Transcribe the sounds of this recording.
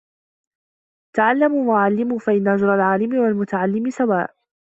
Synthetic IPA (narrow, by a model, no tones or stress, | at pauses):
t̪aʕalːamuːwaʕalːɪmuːfaʔɪnːaʔʊd͡ʒɾˤɑlʕaːlɪmɪwalmʊt̪aʕalːɪmɪsawaːʔ